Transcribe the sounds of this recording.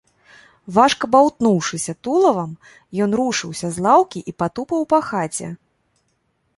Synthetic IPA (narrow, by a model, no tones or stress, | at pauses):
vaʂkɐbawt̪nuwʂɨsʲɐt̪ulˠɐvɐm | jɔnɾuʂɨwsʲɐzlˠawkʲiʔipat̪upɐwpaxat͡sʲɛ̰